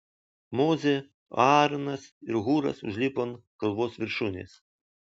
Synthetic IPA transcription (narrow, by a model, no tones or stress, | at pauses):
mozʲe | ɑɾnɐsiɾɣuɾɐ̰sʊ̰ʒʲlʲipɔnkɐlˠʋɔsʋʲɪɾʃunʲḛs